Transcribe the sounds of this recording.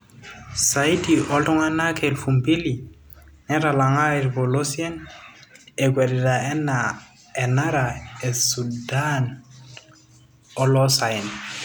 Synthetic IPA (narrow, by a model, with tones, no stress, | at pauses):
sa˨i˦ti˨ʔɔ˦ltu˦ŋa˦na˦ke˨lfu˨mpi˦li˨ | nɛ˦ɾa˨la˨ŋa˦i˨ɾvo˨lo˦si˦e˦n | e˨kwe˨ɾɛ˨da˨ɛ˦na˨ | e˨na˦ɾa˨e˨su˨da˦n | ɔ˦lɔ˦sa˨i˨n